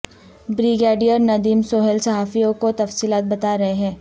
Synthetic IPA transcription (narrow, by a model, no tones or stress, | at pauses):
bɾiɡeːɖijəɾnɐd̪iːmsoːɦelsɐɦaːfijõkot̪ɐfsiːlaːt̪̚bɐt̪aːɾɐɦeɦɛ̃ː